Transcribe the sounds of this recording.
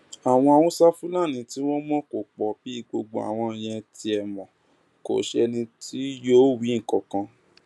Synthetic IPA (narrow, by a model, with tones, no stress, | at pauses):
a˨w̃ɔ̃˧a˧wɔ̃˦sa˦fu˦la˦˨nĩ˧ti˦w̃ɔ̃˦mɔ̃˦ko˨k͡pɔ˨b̥i˨˦i˦˨ɡ͡bo˧ɡ͡bo˧˨a̰˨w̃ɔ̃˧˨j̃ɛ̃˧ti˧ɛ˨mɔ̃˨ | ko̰˨ʃɛ˧nĩ˧tʰi˦joː˦wĩ˨˦˨kɔ˨kã˧